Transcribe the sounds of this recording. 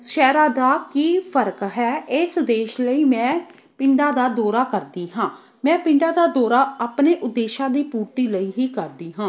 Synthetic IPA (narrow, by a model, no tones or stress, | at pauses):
ʃɛːɾaːd̪aːkiːpʰəɾkɦɛːɪsd̪eːʃləiːmɛ̃ː | pɪɳɖaːd̪aːd̪ɔːɾaːkəɾd̪iːɦãː | mɛ̃ːpɪ̃ɳɖaːd̪aːd̪ɔːɾaːaːpneːʔʊd̪ːeːʃãːd̪iːpuːɾt̪iːləiːɦiːkəɾd̪iːɦãː